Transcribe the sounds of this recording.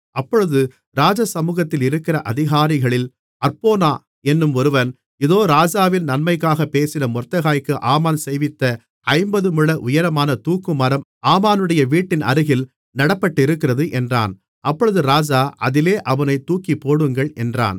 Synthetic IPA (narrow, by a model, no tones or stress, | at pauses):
ɐpːɔɻɯðɯ | ɾaːd͡ʒɐsɐmuːɣɐt̪ːɪlɪɾɯkːɪɾɐʔɐðɪɣaːɾɪɣɐɭɪl | ɐɾpoːnaː | ɛnːɯmɔɾɯʋɐn | ɪðoːɾaːd͡ʒaːʋɪlnɐnmɐɪkːaːɣɐpeːsɪnɐmɔrt̪ːɐɣaːjkːɯʔaːmaːnsɛjʋɪt̪ːɐ | ʔɐɪmbɐðɯmɯɭːɐʔʊjɐɾɐmaːnɐt̪uːkːɯmɐɾɐmaːmaːnɯɽɐjɐʋiːʈːɪnɐ̰ɾɯɣɪl | nɐɽɐpːɐʈːɪɾɯkːɪɾɐðɯʔɛndra̰ːn | ɐpːɔɻɯðɯɾaːd͡ʒaːʔɐðɪleːʔɐʋɐnɐɪt̪uːkipːoːɽɯŋɡɐɭʔɛndra̰ːn